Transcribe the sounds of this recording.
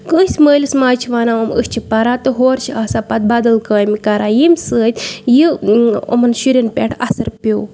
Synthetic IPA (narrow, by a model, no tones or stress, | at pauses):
kəːsʲməːlʲismaːt͡ʃʰiʋaːnaːɐmə̰sʲt͡ʃʰipɐɾaːt̪ɨɦoːɾt͡ʃʰiaːsapɐt̪̚bɐd̪ɐlkaːjmikɐɾaːjimʲsəːt̪ʲjio̰mɐnʃuɾinpʲeʈʰɐsɐɾpʲoː